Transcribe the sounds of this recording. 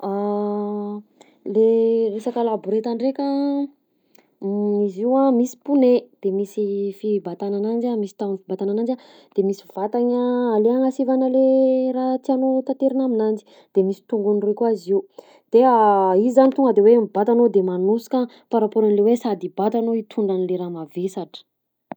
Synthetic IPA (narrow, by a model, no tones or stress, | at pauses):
a | leresakalabuɾet̪aɳɖ͡ʐekʲa | iziwamisi̥puned̪̥emisifibat̪ananand͡ʒamisi̥t̪aunifibat̪ananand͡ʒa | d̪̥emisivat̪aɲəaleaŋasivanəlerat̪anot̪at̪eɾinaminand͡ʒi̥ | d̪̥emisi̥t̪uŋɡunrekwaziu | d̪̥eaiizanit̪uŋɡəd̪ewemibat̪anod̪emanusi̥ka | paɾapoɾanlewesad̪ibat̪anoit̪ʰuɳɖ͡ʐanileɾamavesaʈ͡ʂə̥